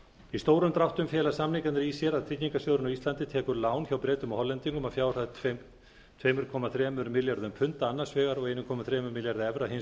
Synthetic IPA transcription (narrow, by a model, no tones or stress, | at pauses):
ist̪oːwɾʏmt̪ɾaht̪ʏmfjɛːlasamniŋkannɾisjɛɾaðt̪ʰɾic̪ɲiŋkasjœːɣɾʏnɔist̪lant̪ɪt̪ʰɛːkʏɾlaːwnçawpɾɛːt̪ʏmɔhɔlːɛnt̪iŋkʏmafjaːwɾ̥θaðʰ | t̪ʰvejmʏɾ̥kʰɔːmaθɾɛːmʏɾmɪljaɾðʏmpʰʏnt̪aanːasvɛːɣaɾɔɣejnʏkʰɔːmaθɾɛːmʏɾmɪljaɾðɪɛvɾaɦɪn